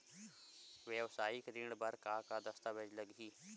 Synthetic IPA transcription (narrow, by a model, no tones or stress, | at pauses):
ʋjəʋsaːjikɾɪɖbəɾkakad̪ɐst̪aʋed͡ʒləɡiː